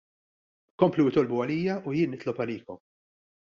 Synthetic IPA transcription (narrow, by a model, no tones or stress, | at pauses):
kɔmpluɪt̪ɔlbʊɐliːjɐujɪːnːɪt̪lɔpɐliːkɔm